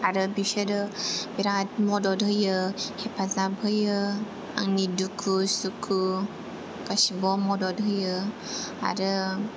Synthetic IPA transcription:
aɾɯbiseɾɯbiɾat̚mɔdɔdɦɯjɯhepʰazabɦɯjɯ | a̰ŋnidukʰusukʰu | kasibɔmɔdɔdɦɯjɯ | a̰ɾɯ

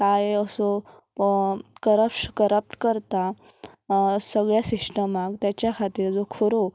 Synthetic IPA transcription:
kajəsɔ | kəɾəpʂkəɾəp̚ʈkəɾt̪a | səɡɭjasiʂʈəmakt̪jat͡ɕjakʰat̪iːɾd͡zokʰoɾo

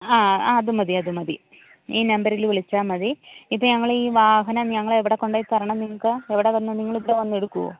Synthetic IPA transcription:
aːaːɐðumɐðiɐðumɐði | iːnɐmbɐɾilʋiɭit͡ɕːaːmɐðiipːoːɲɐŋːɐɭiːʋaːɦɐnɐɲɐŋːɐɭeʋiɽekːo̞ɳɖajpɐrɐɳɐmniŋːɐɭkɨeʋiɽeʋɐnːɐniŋːɐɭiʋiɽeʋɐnːue̞ɽukːuo̰

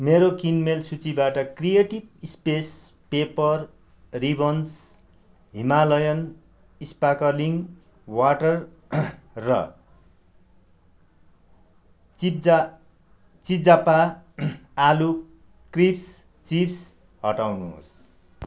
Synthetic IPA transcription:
meɾokinmelsut͡sibaʈʌkrijeʈibspespepʌr | ribʌns | ɦimalʌjʌn | ispakʌliŋ | waʈʌrː | ʌ̰ | id͡za | t͡sid͡zapaː | lu | krips | t͡sips | ɦʌʈawnuɦo̰s

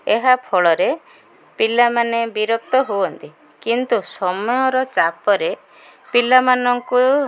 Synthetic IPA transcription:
eɦapʰɔɭɔɾe | pilamanebiɾɔk̚t̪ɔɦuɔnt̪i | kint̪usɔmɔjɔɾɔt͡ʃapɔɾe | pilamanɔŋku

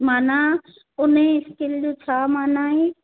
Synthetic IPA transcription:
maːna | ʊneɪskɪld͡ʑot͡ɕʰaːmaːnaːɦe

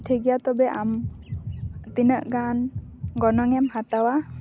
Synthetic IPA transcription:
tʰeɡijat̪ɔbɛʔam | t̪inəʔɡanɡɔnɔŋɛmhat̪awa

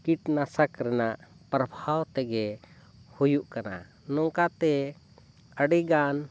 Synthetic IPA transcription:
kiʈnasəkɾɛnaʔ | pɾəbʱawt̪ɛɡɛ | hujuʔkana̰ | nɔŋkat̪ɛ | əɖiɡan

